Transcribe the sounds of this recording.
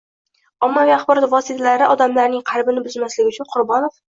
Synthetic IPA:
ɒmːaviaχbɒɾɒt̪vɒsit̪ʰalaɾɪʔɒd̪amlaɾnɪŋqʰɑɾbɪnɪbʊzmaslɪɡʲɪʊt͡ʃʰʊnqʰʊɾbɒnof

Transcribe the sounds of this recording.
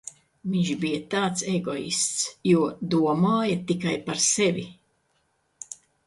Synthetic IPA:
viɲʃbijɐt̪aːt̪seɡɔḭst̪sjuɔd̪uɔmaːjɐt̪ikajpaɾsɛvi

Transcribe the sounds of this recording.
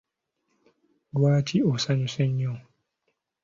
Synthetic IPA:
dwaːt͡ʃiɔsaɲusɛɲːɔŋ

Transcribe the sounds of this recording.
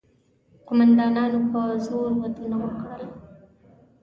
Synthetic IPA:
qʊmand̪ɑnɑnopəzoɾwad̪unawakɽəla

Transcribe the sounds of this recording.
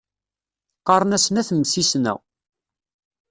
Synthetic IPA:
qɑɾˤənæsnæθəmsisnæ̰w

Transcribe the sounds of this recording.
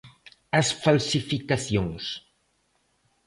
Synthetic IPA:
ɐsfalsifikaθjõŋs

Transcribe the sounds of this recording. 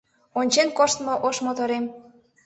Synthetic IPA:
onʲt͡ɕenkoʃt̪moʔoʃmot̪oɾem

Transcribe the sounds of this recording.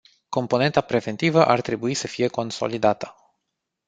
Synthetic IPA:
ko̞mpo̞ne̞nt̪apɾe̞ve̞nt̪ivəʔart̪ɾe̞buisəfije̞ko̞nso̞̰lid̪at̪ə̥

